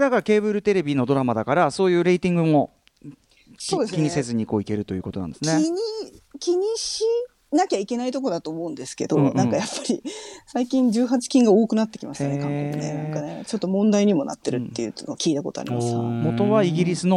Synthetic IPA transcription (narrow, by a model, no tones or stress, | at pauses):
d̪akaɾake̞ːbɯ̟ɾɯ̟t̪e̞ɾe̞bʲino̞d̪o̞ɾamad̪akaɾaso̞ːjɯ̟ːɾe̞it̪ʲĩŋɡɯ̟mo̞ | odekkʲiɲ̟ise̞zɨɲ̟iko̞ːike̞ɾɯ̟t̪o̞jɯ̟ko̞t̪o̞nã̰nd̪esɨneiɲikʲiɲ̟iɕi | nakʲaike̞nait̪o̞k̬o̞d̪at̪o̞ːmo̞ɯ̟̃nd̪e̞sɨ̥ke̞̰d̪o̞nãkajapːaɾʲisaikʲĩɲ̟d͡ʑɨːɦat͡ɕi̥kʲĩŋɡao̞ːkɯ̟nat̪ːe̞kʲimasɨjneãkoenḛnãŋkanet͡ɕo̞t̪ːo̞mõ̞nd̪aiɲ̟imo̞na̰t̪ːe̞ɾɯ̟t̪ːe̞̰jɯ̟ːnokʲiːt̪ako̞t̪o̞a̰ɾḭmasmo̞t̪o̞βaiɡʲiɾʲisɨno